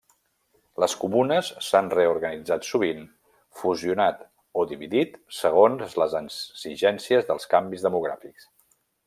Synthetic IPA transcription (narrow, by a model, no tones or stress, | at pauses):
ləskumunəsːanreuɾɣənid͡zat̪suβin | fuziunat̪ | oðiβiðit̪səɣ̞onzləzənsiʒɛnsiəzðəlˠskambizðəmuɣ̞ɾa̰fiks